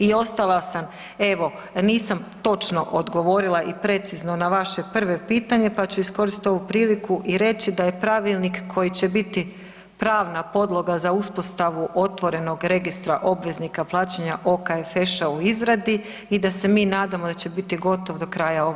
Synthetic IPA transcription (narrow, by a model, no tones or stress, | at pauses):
io̞st̪alˠasam | e̞ʋo̞ | niːsamt̪o̞t͡ʃno̞ʔod̪ɡo̞ʋo̞ɾilˠaʔipɾe̞t̪sizno̞naʋaʃe̞pr̩ʋe̞piːt̪aɲe̞pat͡ɕuisko̞ɾist̪t̪o̞ʋupɾiːlikuʔiɾe̞t͡ɕid̪aje̞pɾaʋilˠnikkʰːo̞jit͡ɕe̞bit̪i | pɾaːʋnapo̞d̪lˠo̞ɡazauspo̞st̪aʋuʔo̞t̪ʋo̞ɾe̞no̞ɡɾe̞ɡist̪ɾaʔo̞bʋe̞znikaplˠaːt͡ɕeɲaʔo̞kaefe̞ʃauizɾad̪i | id̪ase̞minaːd̪amod̪at͡ɕe̞bit̪iɡo̞t̪o̞ʋd̪o̞kɾaːjao̞